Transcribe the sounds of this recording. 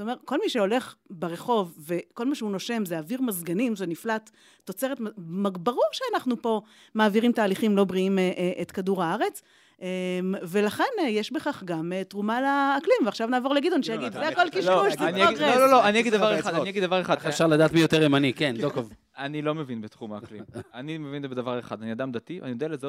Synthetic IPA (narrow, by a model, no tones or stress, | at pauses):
stome̞ʁko̞lmiʃeo̞le̞χbeʁeχo̞vve̞ko̞lmaʃeuno̞ʃe̞mzeaviʁmazɡanimveniflat̪ː | o̞t͡se̞ʁet̪mmaɡbaʁoʃeanaχnupo̞ | maːviʁimtaːliχimlo̞bʁiimeʔʔet̪kaduʁhaaʁe̞t͡s | emvelaχenjeʃbeχaχɡamet̪ʁumalaːklimveaχʃavnaːvo̞ʁleɡidoniʃejaɡid̪zeako̞lkiʃuznaɡʁeololoanijaɡid̪avaʁeχad̪aniaɡid̪avaʁeχad̪efʃaʁlad̪aːt̪mijo̞t̪eʁimanikendokov | anilo̞mevinbet̪χumaːklḭmanimevinzebed̪avaʁeχa̰d̪aniad̪amd̪at̪ia̰nijod̪ealeze